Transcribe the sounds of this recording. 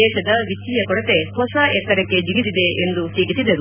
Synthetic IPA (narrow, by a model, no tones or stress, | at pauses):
ɛːʃɐd̪ɐʋit͡ʃijɐkɔɽɐt̪e̞sɦɐʃaːʔɛt̪ːɐɾɐkːe̞d͡ʒiɡid̪id̪eʔend̪usiːɡisid̪ɐɾu